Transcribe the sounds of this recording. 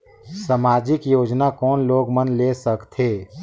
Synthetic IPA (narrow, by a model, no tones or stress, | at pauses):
səmaːd͡ʒɪkjoːd͡ʒnakɔːnloːɡmənleːsəkt̪ʰeː